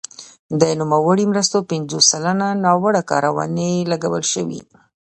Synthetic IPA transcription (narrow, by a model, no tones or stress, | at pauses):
d̪ənumawəɽimɾəst̪opɪnzosalananɑwəɽakɑ̰ɾawɑ̰nelaɡawəlʃəwḭ